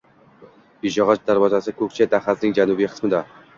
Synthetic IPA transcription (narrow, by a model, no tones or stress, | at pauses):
biʒɒʁɑt͡ʃd̪aɾwɒzasɪkʰɵk̚ʲt͡ʃʰet̪ʰaχasnɪŋd͡ʒanubijqʰɨ̥smɪd̪a